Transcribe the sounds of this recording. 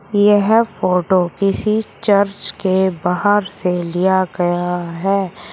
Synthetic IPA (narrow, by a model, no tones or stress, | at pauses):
jɐɦfoːʈokɪsit͡ʃɐɾt͡ʃkebaːɦəɾselijaɡɐjaɦɛː